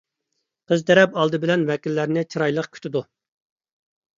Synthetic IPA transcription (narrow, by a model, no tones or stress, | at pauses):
qʰəzd̪ɛɾɛpɑlˠd̪ɨbɪlɛnwɛkʲilːæɾnɪt͡ʃʰiɾɑjlˠəqkʲʰy̥t̪ʰɪd̪u